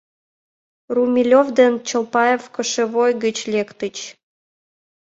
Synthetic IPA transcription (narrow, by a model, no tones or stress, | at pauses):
rumʲilʲovd̪ent͡ɕə̆lˠpɑjefkə̆ʃĕβojɡə̆t͡ɕlʲekt̪ət͡ɕ